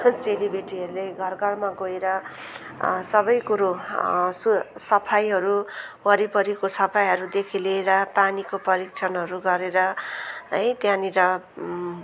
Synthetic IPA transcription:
t͡selibeʈiɦʌɾuleɡʱʌrɡʌrmaɡoeɾʌ | sʌbʌjkuɾosusʌpʰajɦʌɾuwʌɾipʌɾikosʌpʰajɦʌɾud̪ekʰileːɾʌpanikopʌɾik̚t͡sʰʌnɦʌɾuɡʌɾeɾʌɦʌjt̪jãniɾʌ

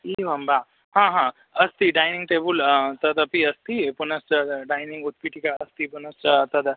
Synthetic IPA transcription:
iʋɐmba | ɦãɦã | ɐst̪iɖajniŋɡʈebult̪ɐd̪ɐpiɐst̪ipunɐstəɖajniŋɡut̪̚piʈikaɐst̪iːpunɐsət̪ɐd̪ə

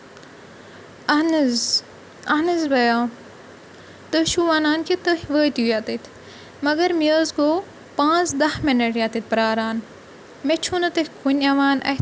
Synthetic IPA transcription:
ɐnz | ɐnɐzbɐjaː | t̪əʃuʋaːnaːnkʰit̪əhʋəːt̪iujaːt̪it̪ʰ | mɐɡɐɾmiəːzkoː | pãːt͡sd̪ɐhmɐnɐʈjaːt̪it̪̚pɾaːɾaːn | met͡ʃʰunɐt̪ɐkʰunʲɐʋaːnɐ̰

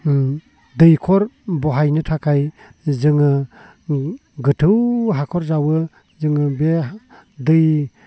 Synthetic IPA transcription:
dɯjkʰɔɾbɔɦajnɯtʰakʰaj | zɯŋɯ | ɡɯtʰɯwɦakʰɔɾzawɯ | zɯŋɯbe | dɯj

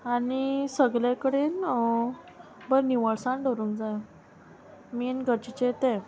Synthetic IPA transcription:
anisəɡljakəɽen | bəɾniʋəɭsãɳɖəɾũːŋkd͡zaj | minɡʱəɾt͡ɕit͡ɕet̪ɛ̃

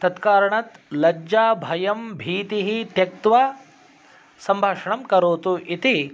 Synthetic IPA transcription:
t̪ɐt̪kaːɾɐɳɐt̪lɐd͡ʒaːbʱɐjɐmbʱiːt̪iɦit̪jɐk̚t̪ʋa | sɐmbʱaːʂɐɳɐmkɐɾoːt̪uʔit̪i

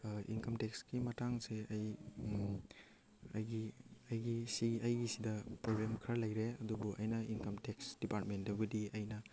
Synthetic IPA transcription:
ḭnkɐmteksɡimɐtaŋseɐj | ɐjɡiɐjɡisiɡiʔɐjɡisidɐpɾobɾemkʰɾalɐjɾeɐdubuʔɐjnɐinkɐmteksd̥ipaɾtmendɐbudiɐjnɐ

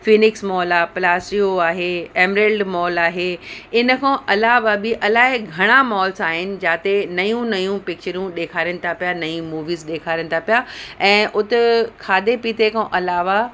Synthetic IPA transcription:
fiːnɪksmɔːlaplaːsʈioaːɦeeːmɾeːlɖmɔːlaːɦeːɪnə̆kʰãːʔɐlaːʋabɪʔɐlaːɦɪɡʱɐɽ̃amɔːlsaːɦɪnɪ̆d͡ʑaːt̪enɐjũnɐjũpɪk̚t͡ɕəɾijũɗeːkʰaːɾiəñɪ̆t̪ʰapijanɐĩmuːʋiːzɗeːkʰaːɾəñɪ̆t̪ʰapijaɛ̃ːʔʊt̪ekʰaːd̪epiːt̪ekʰõʔɐlaːʋa

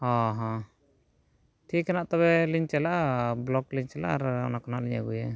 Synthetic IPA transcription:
hɔ̃ɦɔ̃ | ʈʰikːɛnaʔt̪ɔβɛliɲt͡ʃɛlaʔblɔkliɲt͡ʃɛla̰ʔaɾɔ̰nakɔnaʔliɲa̰ɡujɛ

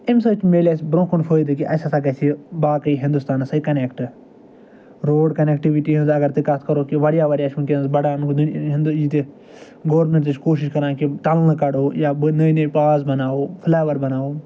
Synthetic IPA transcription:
ɪmsɐt͡ʃmeːleːsbɾõːkunfʰoːjd̪ɨkiʔɐsasaɡɐt͡ʃʰibaːkɐiːɦɪ̃nd̪ust̪aːnsɐikɐneːkʈ | ɾoːɖkɐnek̚ʈiʋiʈiːɦɪzɐɡɐɾt̪ikat̪ʰkɐɾoːkiʋɐɽjaːʋɐɽjaːt͡ʃʰũkʲenzbɐɽaːnkd̪ɦnd̪it̪e | ɡɐʋɾmẽɳʈt̪ɨt͡ʃʰkoːʃiʃkɐɾãːkit̪ɐlnɐkɐɽoːjaːbnɐinɐpaːzbɐnaːoːpʰlaːʋɐɾbɐnaːoː

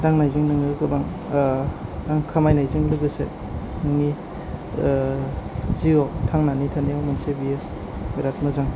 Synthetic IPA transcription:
daŋnajzɯŋnɯŋlɯɡɯbaŋ | daŋkʰamajnajzɯŋlɯɡɯsḛ | nɯŋi | ziɡɔtʰaŋnanitʰanijawmansebijɯ | ɔjɾat̚mazaŋ

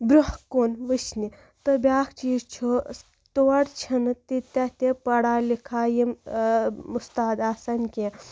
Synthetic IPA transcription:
bɾuhkoːnʋɨʃʰni | t̪ɨbʲjaːkʰt͡ʃiːzt͡ʃʰu | t̪oːɽt͡ʃʰint̪it̪ɐt̪epɐɽaːlikʰaːjim | ust̪aːd̪aːsɐnʲkʲe

